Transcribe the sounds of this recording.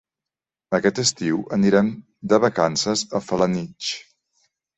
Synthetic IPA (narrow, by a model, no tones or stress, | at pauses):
əkɛt̪əst̪iwʔəniɾɛm | d̪əβəkansəzəfələnit͡ʃ